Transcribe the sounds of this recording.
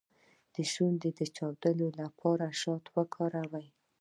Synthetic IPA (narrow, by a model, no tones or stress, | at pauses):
d̪̥əʒwand̪ed̪ət͡ʃɑwd̪əlolapʰɑɾaʃɑt̪wəkʰɑɾawaj